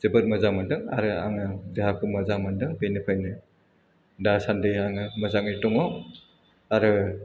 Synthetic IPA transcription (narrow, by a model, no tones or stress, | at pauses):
z̥ɯbɯt̚mɐzaŋmandɯŋa̰ɾɯa̰ŋɯzeɦakʰɯmazaŋmandɯŋpejnɯpʰajnɯ | dasandɯjaŋɯmɐzaŋɯtɔŋɔ | aɾɯ